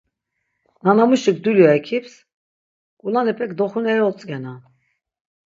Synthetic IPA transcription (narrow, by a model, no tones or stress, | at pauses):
nanamuʃikd̪uljɔɛkʰips | kʼulanɛpʰʼɛkd̪ɔχunɛɔt͡sʼɡɛna